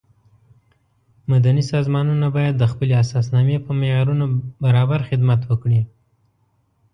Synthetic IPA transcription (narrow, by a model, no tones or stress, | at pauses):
mad̪anisɑzmɑnunabɑjad̪ːəxpəleasɑsnɑmepəmeɑɾunobaɾɑbaɾxɪd̪mat̪wəkɽi